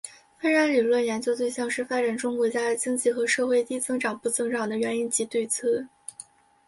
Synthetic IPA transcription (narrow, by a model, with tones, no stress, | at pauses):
fa˥ɻa˧˥nli˨˩lwə˥˩njɛ˧˥nt͡ɕjo˥ʊt̪we˥˧ɪɕjɑ˥˧ŋʂɻ̩˥˩fa˥ʈ͡ʂa˨˩nʈ͡ʂʊ˥ŋkwɔ˧˥t͡ɕja˥˩˨t͡ɕi˥ŋt͡ɕi˥˩xɤ˧˥ʂɤ˥˧xwe˥˧ɪt̪i˥t͡sɤ˥ŋʈ͡ʂɑ˨˩ŋpu˥˩t͡sɤ˥˩ŋʈ͡ʂɑ˨˩ŋd̪ə˦ɥɛ˧˥ni˥nt͡ɕi˧˥t̪we˥˧ɪt͡sʰɤ˥˩